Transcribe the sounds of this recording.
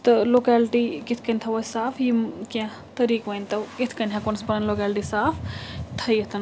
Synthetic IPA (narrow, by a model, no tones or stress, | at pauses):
t̪ɨloːkɛːlʈikit̪ʰkɐnʲt̪ʰɐʋosaːfʰjimkã | t̪ɐɾiːkʋɐnt̪ɐkit̪ʰkɐnʲɦãkonspɐnɐnloːkaːlʈisaːpʰt̪ʰɐjɐt̪ʰɐn